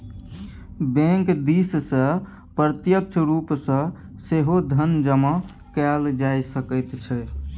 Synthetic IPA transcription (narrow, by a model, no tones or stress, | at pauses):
bɛ̃ŋkd̪issə̃ | pɾət̪jək̚t͡ʃʰɾupsə̃ | seɦod̪ʱənd͡ʒəmə̃ | kɛld͡ʒajsəkəjt̪t͡ʃʰɛ